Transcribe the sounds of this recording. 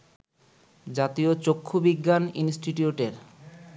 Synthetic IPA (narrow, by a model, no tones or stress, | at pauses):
d͡ʑat̪iot͡ɕokʰːobiɡːaninsʈiʈuuʈeɾ